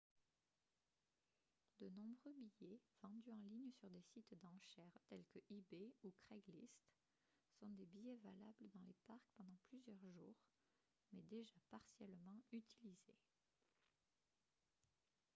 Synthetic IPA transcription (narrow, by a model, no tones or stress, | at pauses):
d̪ənɔ̃bʁøbijɛvɑ̃d̪yɑ̃liɲəsyʁd̪esit̪d̪ɑ̃ʃɛʁt̪ɛlkəʔibeukχɛɡlist̪ | sɔ̃d̪ebijɛvalabləd̪ɑ̃lepaʁkpɑ̃d̪ɑ̃plyzjœʁʒuːʁ | mɛd̪eʒapaʁsjɛlmɑ̃yt̪ʰilize